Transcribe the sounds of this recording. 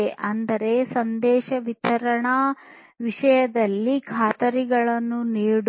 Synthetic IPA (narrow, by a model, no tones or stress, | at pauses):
eʔɐnd̪ɐɾe̞sɐnd̪ɛːʃɐʋit̪ʰɐɾɐɳɐ | ʋiʂɐjɐd̪ɐlːikʰaːt̪ɐɾiɡɐɭɐnːuniːɽ